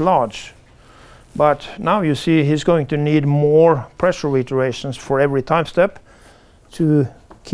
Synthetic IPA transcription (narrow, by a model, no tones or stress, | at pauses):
lɑɹd͡ʒ | bʌtnaʊjɨsiːhizɡoʊɪ̃ŋtʰɨnid̚mɔɹpʰɹ̥ɛʃə˞ɹɪtə˞eɪʃə̃n̩sfə˞ɛvɹitʰãɪ̃mstɛp | tʰɨkʰ